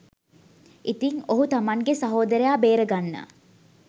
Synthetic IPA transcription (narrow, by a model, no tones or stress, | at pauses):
ʔit̪iŋoɦut̪amaŋɡesaɦoːd̪əɾejaːbeːɾəɡanːə̰